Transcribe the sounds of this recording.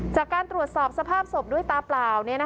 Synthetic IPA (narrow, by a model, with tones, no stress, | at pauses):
t͡ɕaː˨˩kːaː˧nt̪ɾu˨˩ət̪sɔː˨˩p̚sa˧pʰaː˥˩p̚so˨˩p̚du˥əjt̪aː˧plaː˨˩wni˥˩ɐna˦˥